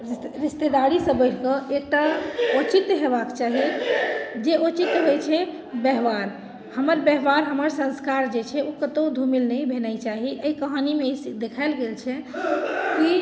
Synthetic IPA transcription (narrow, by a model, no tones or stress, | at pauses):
ɾist̪ed̪aɽisə̃bəɪʈʰkə̃ʔek̚ʈaot͡ʃit̪ɦebakt͡ʃaɦi | d͡ʒeʔot͡ʃit̪ɦojt͡ʃʰɛ | beɦbaɾ | həməɾbeɦbaɾɦəməɾsə̃nskaɾd͡ʒet͡ʃʰɛukət̪ə̃wd̪ʱumilnəjbʱenajt͡ʃaɦiʔəjkəɦanimesd̪ekʰaɪlɡelt͡ʃʰɛ | ki